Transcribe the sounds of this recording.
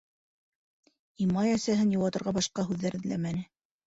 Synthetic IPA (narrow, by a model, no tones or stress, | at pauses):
imɑjæsæɦɘnjŭwˠɑt̪ɤ̆ɾʁɑbɑʃqɑɦʉðːæɾʔɘ̆ðlæ̰mænɘ